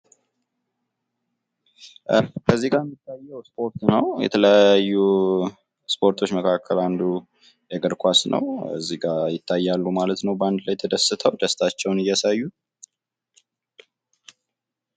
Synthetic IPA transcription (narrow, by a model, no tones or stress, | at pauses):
kʰəzːiɡaɾjɛmːit̪ʰːajːəwspʰo̞ɾt̪nəwjɛ̰t̪ʰələajːu | spʰo̞ɾt̪ʰo̞t͡ʃːməkʰakʰːəland̪u | jɛɡəɾkʰʷasnə̰wə̰zːiɡajɪt̪ʰːajːalːumalət̪nəwbəand̪lajt̪ʰəd̪əsːɨt̪ʰəwd̪əst̪ʰat͡ʃːɛwnɨjasajːu